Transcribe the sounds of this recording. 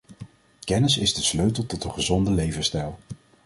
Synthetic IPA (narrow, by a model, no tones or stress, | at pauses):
kɛnəsɪzdəsløɥtəlˠtɔtənχəzɔndəlejvənstɛlˠ